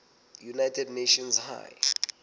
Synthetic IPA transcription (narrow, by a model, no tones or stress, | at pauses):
junajtʰɛdneʃɔnsha̰j